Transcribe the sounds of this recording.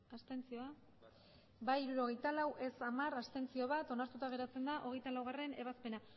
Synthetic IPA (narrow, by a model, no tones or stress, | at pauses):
ast̪e̞nt͡sio̞a | baiɾuɾo̞ɣ̞e̞jt̪alawʔe̞samaɾast̪e̞nt͡sio̞β̞at̪o̞naɾt̪ut̪aɣe̞ɾat͡se̞nd̪aʔo̞ɣ̞e̞jt̪alawɣ̞are̞ne̞βaspe̞na